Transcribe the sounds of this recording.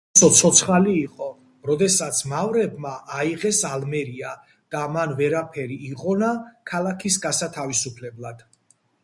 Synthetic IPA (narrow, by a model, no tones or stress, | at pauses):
sɔt̪sʰɔt̪sʰχaliːqʼɔ | ɾɔd̪ɛsat̪sʰmavɾɛbmaʔːiʁɛsalmɛɾia | d̪̥amanvɛɾapʰɛɾiːqʼɔnakʰalakʰisɡasat̪ʰavisupʰlɛblˠad̪̥